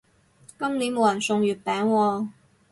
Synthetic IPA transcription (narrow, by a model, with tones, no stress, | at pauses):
kɐ˥mliː˨˥nmo˨˧wjɐ˨˩nsʊ˧ŋjyː˨˩t̚pɛː˨˥ŋwɔː˧